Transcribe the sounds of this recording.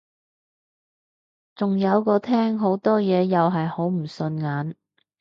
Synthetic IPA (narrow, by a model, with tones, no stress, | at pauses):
t͡sʊ˨ŋjɐ˨˧wkɔː˧t̪ʰɛː˥ŋɦo˨˥wt̪ɔː˥jɛː˨˧jɐ˨wɦɐ˨jho˨˥wm̩˨˩sɵ˧nŋaː˨˥n